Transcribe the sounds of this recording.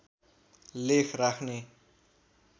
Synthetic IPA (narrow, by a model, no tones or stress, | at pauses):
lekʰrakʰne